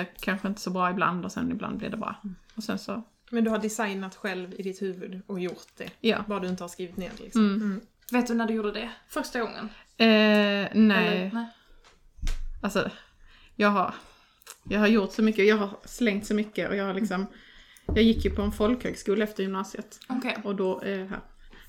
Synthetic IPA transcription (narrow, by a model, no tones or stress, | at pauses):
kʰanɧəɪnt̪ə̥sɔbɾɑːɪbla̰nd̪ɔsɛ̰nɪbla̰nd̪blɪ̰ɖ̪ɛbɾɑ̰ːɔsɛnsɔ | mɛnd̪ɵhaɖɪsajnat̪ɧɛlvɪd̪ɪt̪hʉ̟ːvɵd̪ɔjʊɾt̪̚d̪̥ɛ̰jɑ̰ːbːaad̪ɵɪnt̪əhaskɾiːvɪt̪nḛːɾlɪ̰ksɔm | veːt̪d̪ɵnæɖɵjuːɖəd̪ɛfœɾʂtaɡɔŋːə̰n | ɛːnɛː | alsɔ | jɑːɡɦaɾ | jɑːɡhaɾjʊɾt̪sɔmʏkːəɔjɑːɡɦaɾslɛŋt̪sɔmʏkːəʔɔ̰jɑːɡhaɾɭɪksɔm | jɑːɡjɪkːjɵpʰɔɛnfɔlkhøːɡskuːlaɛft̪əɾjʏmnɑːsɪət̪ɔkʰeɔd̪ɔæɦæ̰ːɾ